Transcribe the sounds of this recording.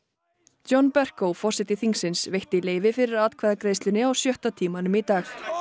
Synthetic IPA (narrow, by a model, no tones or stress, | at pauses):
t͡ɕɔnːpɛr̥kowfɔr̥sɪt̪ɪθiŋksɪnsvejht̪ɪileːjvɪfɪɾɪɾat̪kʰvɛːðakɾeːjst̪lʏnɪawsjœht̪at̪ʰiːmanʏmit̪aːx